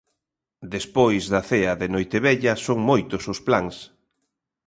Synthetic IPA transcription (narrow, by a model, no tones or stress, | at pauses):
d̪espojzðɐθeɐðenojt̪eβɛʎɐsoŋmojt̪ʊsʊsplaŋs